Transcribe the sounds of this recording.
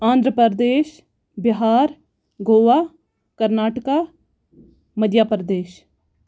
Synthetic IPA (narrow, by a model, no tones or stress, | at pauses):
ãːnd̪ɾəpəɾd̪eːʃ | bɪɦaːɾ | ɡoːʋaː | kəɾnaːʈəkaː | məd̪jaːpəɾəd̪eːʃ